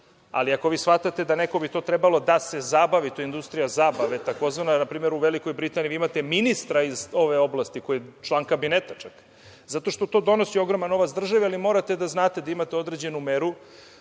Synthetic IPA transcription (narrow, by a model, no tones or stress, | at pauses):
a̰liako̞ʋiːsfat̪at̪e̞d̪ane̞ko̞bit̪o̞ːt̪ɾebalo̞d̪asezabaʋit̪oind̪ust̪ɾijazabaʋe̞t̪ako̞zʋananapɾiːme̞ɾuʋeliko̞jbɾit̪aniiimat̪e̞minist̪ɾaizo̞ʋe̞o̞blˠast̪iko̞jet͡ʃlˠaːŋkabinet̪at͡ʃak | zat̪o̞ʃt̪o̞t̪o̞ːd̪o̞no̞sio̞ɡɾomano̞ʋat̪sd̪r̩ʒaʋialimo̞ːɾat̪e̞d̪aznaːt̪e̞d̪aimat̪eo̞d̪ɾe̞d͡ʑe̞numeɾu